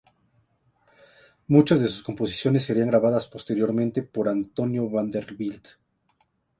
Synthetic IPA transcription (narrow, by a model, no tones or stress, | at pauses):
mut͡ʃazðe̞su̥sko̞mpo̞si̥sjo̞nes̬ːe̞ɾiaŋɡɾaβaðaspo̞st̪e̞ɾjo̞ɾmẽnt̪e̞po̞ɾant̪o̞njo̞βand̪eɾβild̪